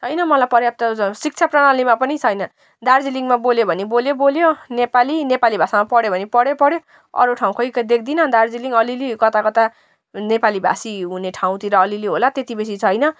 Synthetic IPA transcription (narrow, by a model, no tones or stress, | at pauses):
t͡sʰʌjnʌmʌlajpʌɾjap̚t̪ʌsik̚t͡sʰaprʌɽ̃alimapʌnit͡sʰʌjnʌ | d̪ard͡ziliŋɡmaboljobʱʌniboljoboljonepalinepalibʱasamapʌɽjobʱʌnipʌɽjopʌɽjo | ʌ̰ɾoʈʰaw̃kʰʌjkad̪ekʰd̪inʌd̪ard͡ziliŋɡʌlilikʌt̪akʌt̪a | nepalibʱa̰siɦuneʈʰaw̃t̪iɾʌːliliɦolat̪et̪ibes̬it͡sʰʌjnʌ